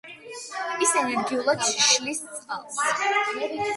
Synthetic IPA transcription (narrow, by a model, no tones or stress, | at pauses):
isɛnɛnɡiulˠat̪ʃlist̪sʼqʼa̰lˠs